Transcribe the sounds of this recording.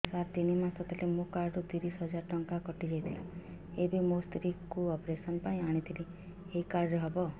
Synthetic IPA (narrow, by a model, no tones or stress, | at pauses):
saɾt̪inimãsɔt̪ʰalemũkaɾɖud̪iɾisɦɔd͡ʒaɾʈɔŋkakɔʈid͡ʒejt̪ʰila | ebʱimost̪ɾikkuɔpɾesɔnpaĩaɽ̃it̪ʰili | eikaɾɖɦɔbɔ